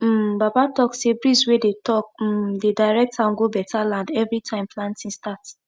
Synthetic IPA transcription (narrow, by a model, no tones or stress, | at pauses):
m̩babatɔksebɹiswedetɔk̩̚dedaɪɹɛk̚tãnɡobɛtʰalãndɛvɹitʰãɪ̃mplãntĩnstat